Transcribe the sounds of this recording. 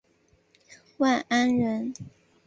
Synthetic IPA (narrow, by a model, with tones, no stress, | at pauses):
wa˥˩na˥nɻə˧˥n